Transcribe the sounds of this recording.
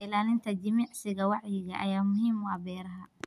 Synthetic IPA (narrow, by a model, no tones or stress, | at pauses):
ɪlaːlɪnt̪ʰɐd͡ʒɪmiʕsɪɣɐwɑʕjɪɣɐʔɐjaːmʊhiːmwɑːbɛːɾɐɦɐ